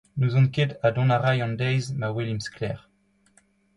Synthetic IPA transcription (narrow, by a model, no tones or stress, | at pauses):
nuzɔ̃nkedad̪ɔ̃naʁajɑ̃nd̪ɛjzmawelimsklɛːʁ